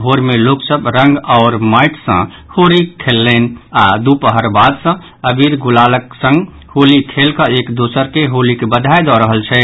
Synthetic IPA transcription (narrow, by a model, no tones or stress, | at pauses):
ɦoɾmeloksəbɾə̃ŋɡɔʊɾməɪʈʰsə̰̃ | hoɾikʰelːɛnad̪upəɦəɾbad̪sə̃ | əbiɾɡulaləksə̃ŋɡ | holikʰelkəekd̪osəɾkeɦolikebəd̪ʱajd̪ɔɾəɦəlt͡ʃʰɛ